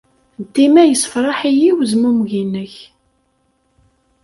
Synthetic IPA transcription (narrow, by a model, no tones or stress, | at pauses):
d̪ːimæjəsə̥fɾˤɑħijiwzmumʝinːəç